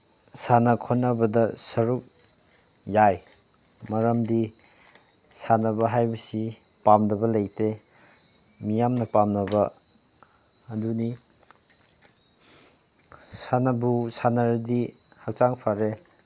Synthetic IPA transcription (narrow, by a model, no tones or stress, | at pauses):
sanɐkʰɔnːɐbɐdɐsɐɾuk̚ | jaj | mɐɾɐmdi | sanɐbɐɦajbɐsi | pamdɐbɐlejtʰe | mijamnɐpamnɐbɐ | duni | sanɐbusanaɾdi | hak̚t͡ʃaŋpʰaɾe